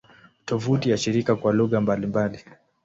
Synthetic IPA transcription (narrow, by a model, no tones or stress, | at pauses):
tɔvutijaʃiɾikakwaluɣambalimbali